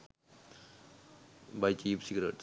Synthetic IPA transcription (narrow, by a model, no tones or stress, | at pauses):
bajt͡ʃiːpsiɡɾeʈ